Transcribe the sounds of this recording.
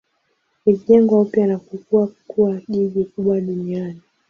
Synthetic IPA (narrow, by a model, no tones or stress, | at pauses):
iʄɛŋɡwaupjanakukuakuaʄiʄikuɓwaɗuniani